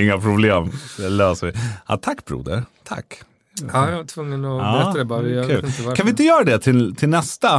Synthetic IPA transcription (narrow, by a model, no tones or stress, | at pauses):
ɪŋːapʰɾʊbleːmɛløːsəʋɪɑ̰t̪ʰakːbɾṵːd̪ə̰ɾt̪ʰa̰kː | ɑjɑt̪ʰvɵŋːənɔɑɛd̪ɛbɑkʰʉːkanʋɪɪnt̪əjøːɾad̪ɛt̪ʰɪlt̪ʰɪlnɛst̪a